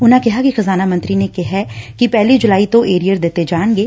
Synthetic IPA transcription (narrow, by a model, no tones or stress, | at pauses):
ʊnãkɪɦakixɐzaːnamɐ̃nt̪ɾinekɛɦɛkipɛːlid͡ʒʊlaːit̪õʔeːɾijəɾd̪eːt̪ed͡ʒaːnɡeː